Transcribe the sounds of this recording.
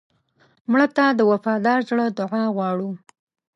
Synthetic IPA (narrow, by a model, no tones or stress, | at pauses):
mɽət̪ad̪əwafɑd̪ɑɾzɽəd̪ʊʕɑɣwɑɽu